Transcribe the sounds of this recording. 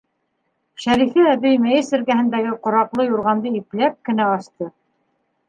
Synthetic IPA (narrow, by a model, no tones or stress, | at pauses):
ʃæɾifɘæβɘjmæjɘsɘ̆ɾkæhɘ̆nd̪æɡɘqŏɾɑqlˠɤjuɾʁɑnd̪ɤiplæp̚kɘ̆næɑʃt̪ɤ